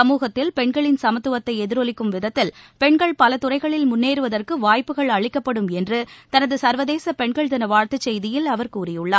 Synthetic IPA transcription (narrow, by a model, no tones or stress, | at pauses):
ɐmuːɣɐt̪ːɪlpɛɳɡɐɭɪnsɐmɐt̪ːɯʋɐt̪ːɐɪɛðɪɾɔlɪkːɯmʋɪðɐt̪ːɪlpɛɳɡɐɭpɐlɐt̪ʊrɐɪɣɐɭɪlmʊnːeːɾɯʋɐðɐrkɯʋaːjpːɯɣɐɭɐɭɪkːɐpːɐɽɯmɛndrɯt̪ɐnɐðɯsɐɾʋɐðeːsɐpɛɳɡɐɭt̪ɐnɐʋaːɾt̪ɯt͡ʃːɛjðɪjɪlɐʋɐɾkuːrɪjɯɭːɐ